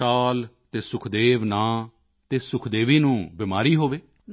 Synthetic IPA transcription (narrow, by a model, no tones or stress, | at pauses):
aːlt̪eːsʊkʰd̪eːʋnãː | t̪eːsʊkʰd̪eːʋiːnũːbɪmaːɾiːɦoːʋeː